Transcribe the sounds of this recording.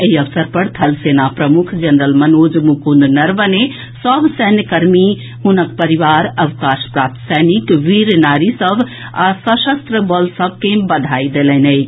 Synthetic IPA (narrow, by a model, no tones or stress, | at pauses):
eɦiəʋsəɾpəɾt̪ʰɐlsenapɾəmukʰd͡ʒɐnɾəlmənod͡ʒmukund̪nəɾbəne | səbsɛɦnjkəɾmi | ɦunək̚pəɾiʋaːɾɐʋkaʃpɾaːp̚t̪ʰsanikʋiɾnaːɾisəbʱ | asəʃəst̪ɾəbɔlsəb̚ʱkẽbɐd̪ʱaid̪elɛnəj